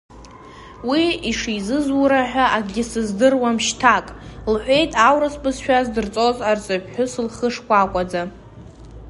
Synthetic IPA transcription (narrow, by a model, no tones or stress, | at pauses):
wiiʂizɨzuɾaħᶣʷaʔaɡɡʲɪsɨzdɨrwamʃtʰakʼlħʷᶣe̞jtʼawɾasbʼɨzʃᶣazdɨrt͡sʼozart͡sʼapʰʼħʷʊsɨlχəʂkʷakʷʼad͡za